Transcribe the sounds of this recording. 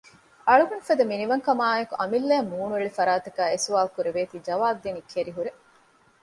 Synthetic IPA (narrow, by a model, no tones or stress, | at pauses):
ɐɭuɡunfɐd̪ɐminiʋɐŋkɐmaːekuʔɐmilːeːmːuːnueɭifɐɾaːt̪ɐkæːesuʋaːlkuɾeʋeːt̪iːd͡ʒɐʋaːbd̪enikʰːeɾiɦuɾe